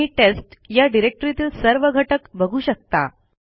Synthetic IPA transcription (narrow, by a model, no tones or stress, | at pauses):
iːʈesʈjaɖiɾek̚ʈəɾit̪iːlsəɾʋəɡʱəʈəkbəɡʱuːɕək̚t̪a̰